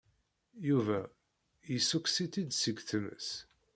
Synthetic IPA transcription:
juvæ | jisuksit̪ːid̪səɡθəmə̰s

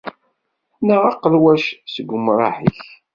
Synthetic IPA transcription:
nəʁɑqəlwæʃsəɡʷʊmɾˤɑ̰ħḭç

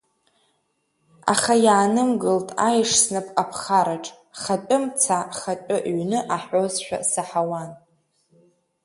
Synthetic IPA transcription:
a̰χajaːnɨmɡɨltʼajʂsnɨpʼapʰχaɾaʈ͡ʂʼ | χatʷʼʊmt͡sʰaχat͡ʃʷʼʊʔɥnɨʔaħozʃᶣa̰saħawan

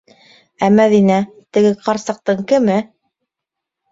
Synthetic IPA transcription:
æmæðinæ | t̪ɘ̆ɡɘqʰɑɾsɑ̆q̚t̪ɤɴkɘ̆mɘ

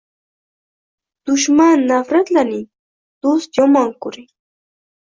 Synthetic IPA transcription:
t̪ʊʃmanːafɾat̪lanɪ | t̪usʎomaŋkʊɾɪ

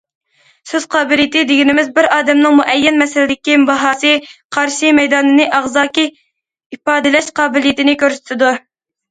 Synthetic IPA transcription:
søz̥qʰɑːbɪlijt̪ɪd̪ɪɡʲinɪmɪzbɪɾɑːd̪ɛmnɨŋmuʔɛjːɛnmɛsɪlɪd̪ɪkʲibɑɦɑːsɨqʰɑɾʃimɛjd̪ɑːnɨnɨʔɑʁzɑːkʲi | ipɑːd̪ɪlɛʃqʰɑːbɪlijɪt̪ɪnɪkʲøɾsɪ̥t̪ɪd̪u

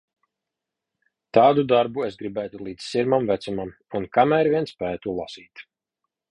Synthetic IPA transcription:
t̪aːd̪ud̪aɾbuesɡɾibæːt̪ulˠiːd̪zsiɾmamvæt̪sumam | unkamæːɾviɛnspæːt̪ulˠasiːt̪

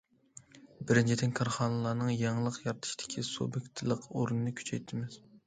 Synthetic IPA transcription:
bɪɾɪnt͡ʃʰid̪ɪnkʰɑɾχɑnɨlˠɑːnɨŋjɑŋlˠəqjɑɾt̪ʰɨ̥ʃi̥d̪̥ɪ̥kʲʰiso̰bɪkʲt̪ʰɨlˠəqoɾunɨnɨkʲʰy̥t͡ʃʰɛjt̪ʰɪmɪz̥

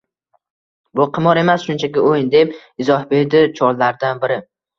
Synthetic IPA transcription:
bʊqʰɨmɒɾe̞masʃʊnt͡ʃʰakʲɪojnd̪e̞p | ɪzɒhbe̞ɾd̪ɪt͡ʃʰɒɾlaɾd̪anbɪɾɪ

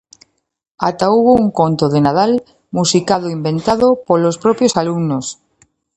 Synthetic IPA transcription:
at̪auβouŋkont̪oðenað̞al | musikaðoimbẽ̞nt̪að̞opolospɾopjosalumnos

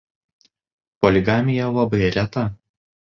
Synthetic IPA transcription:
pɔlʲɪɡɑːmʲɪjɛlˠɐbɐɪɾʲɛt̪ɐ

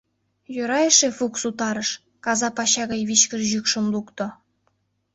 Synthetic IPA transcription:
jøɾɑjəʃefuksut̪ɑɾə̆ʃ | kɑzɑpɑɕɑɣɑjβit͡ɕkə̆rʑykʃə̆mlukt̪ŏ

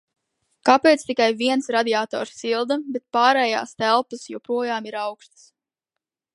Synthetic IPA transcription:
kapeːt̪st̪ikajviɛnsɾad̪ʲiaːt̪ɔ̰ːɾsːilˠd̪abet̪̚paːɾɛːja̰ːst̪ælˠpəsjɔpɾuɔjaːmiɾawkst̪ə̥s

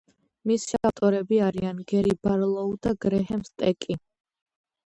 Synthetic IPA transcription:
misʃat̪ʼɔɾɛbiaɾianɡɛɾibaɾlˠɔud̪aɡɾɛɦɛmst̪ʼɛkʼi

